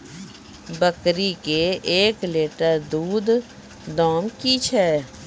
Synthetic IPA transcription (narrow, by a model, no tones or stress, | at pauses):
bəkɾikeeːkleːʈəɾd̪uːd̪ | d̪ɔːmkit͡ʃʰɛː